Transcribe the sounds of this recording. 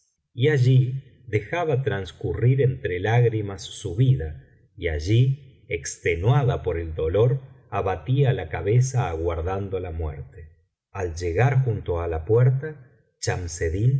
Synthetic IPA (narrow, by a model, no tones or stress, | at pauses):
iaʒi | ðe̞xaβat̪ɾanskuriɾent̪ɾelaɣɾimasːuβiða | ia̰ʒi | ekst̪enwaðapo̞ɾe̞ld̪o̞lo̞ɾ | aβat̪ialakaβesaːɣwaɾðand̪olamwḛɾt̪e̥ | ald͡ʒe̞ɣaɾxunt̪oalapweɾt̪a | t͡ʃamseðin